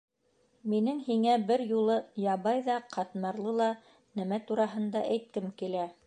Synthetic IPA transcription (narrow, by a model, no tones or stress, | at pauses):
minɘŋhiŋæbɘɾjulˠɤjɑβɑjðɑqʰɑt̪mɑɾlˠɤlˠɑ | nɘmæt̪uɾɑɦɤ̆nd̪ɑʔæjt̪̚kɘmkilæ